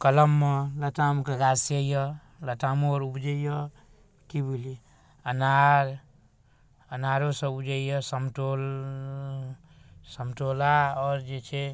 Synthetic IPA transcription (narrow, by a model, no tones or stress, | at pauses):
kələmːɔlətamkəɡasjəjɔ | lətamoɾubd͡ʒəjɔ | kibʱili | ənaɾ | ənaɾosəud͡ʒəjɔsəmtol | səmʈolaɔɾd͡ʒet͡ʃʰe